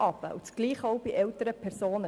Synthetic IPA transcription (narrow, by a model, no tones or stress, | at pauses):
ɑbə̰ʔut͡sɡ̥liːχowbiʔɛwtəɾəpʰɛɾsoːnə